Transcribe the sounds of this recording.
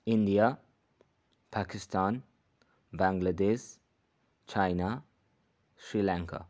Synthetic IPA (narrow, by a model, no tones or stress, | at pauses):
ɪ̃ndia | pʰakɪstʰãn | bãŋɡlədeʃ | t͡ʃaɪna | sɹilãŋkʰa̰